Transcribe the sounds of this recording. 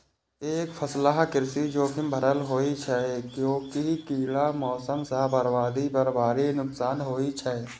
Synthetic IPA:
eːkpʰəslaɦkɪɾsid͡ʒoːkʰɪmbʱəɾəlɦoːit͡ʃʰɛkjõːkikiːlamɔːsəmsaːbəɾbaːd̪ibəɾbaːɾinʊksaːnɦoːit͡ʃʰɛ

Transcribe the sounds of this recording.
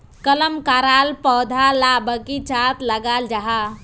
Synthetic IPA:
kələmkaɾaːlpɔd̪ʱalabəkit͡ʃat̪ləɡaːld͡ʒaɦa

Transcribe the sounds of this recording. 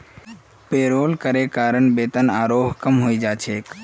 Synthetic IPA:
peːɾoːlkəɾekaːɾəɳbeːt̪ənaːɾoɦkəmɦoid͡ʒat͡ʃʰek

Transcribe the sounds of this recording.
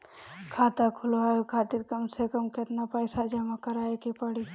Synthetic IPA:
kʰaːt̪akʰuloɦajokʰaːt̪iɾkəmsekəmket̪napəjsad͡ʒəmakəɾaekepəɽi

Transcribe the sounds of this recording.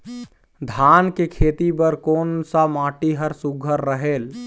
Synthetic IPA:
d̪ʱaːnkekʰeːt̪ibəɾkoːnsamaːʈiɦəɾsuɡʱəɾːəɦeːl

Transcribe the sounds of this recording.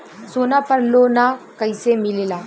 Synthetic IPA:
soːnaːpəɾloːnakɐɪsemɪleːlaː

